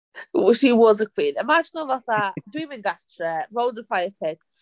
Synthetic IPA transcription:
ʃiwɔzəkʰw̥iːnɪmad͡ʒɪnəlˠvaθadwĩːmɪ̃nɡatɹəɹoʊlˠdə̃nfajəpʰɪd

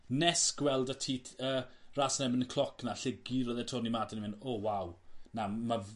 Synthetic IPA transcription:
nɛsɡ̥wɛlˠdətʰiːtʰərasnɛbənkʰlˠɔkʰnaɬɪɡiɾoðɛtʰoːnimadanimɪnoːwawnama

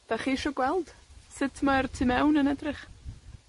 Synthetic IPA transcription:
d̥aχiːʃɔɡwɛlˠd̥sɪtʰmaɛrtʰɨmɛwnənɛdrɪχ

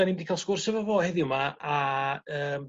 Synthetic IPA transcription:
animdikʰalˠskʊrsɛvɔvoːhɛðɪʊmaʔaəːm

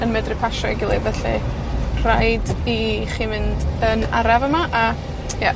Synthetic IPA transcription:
ənmɛdrɨpʰaʃɔɡɪlˠevɛɬi | r̥ajdiχiːmɪndəna̰ɾavəmaʔa | ja

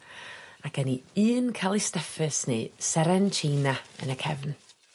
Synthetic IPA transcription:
akɛniɨːnkʰalˠistɛfɨsnɨ̰sɛɾɛnt͡ʃʰiːnaə̰nəkʰɛvn

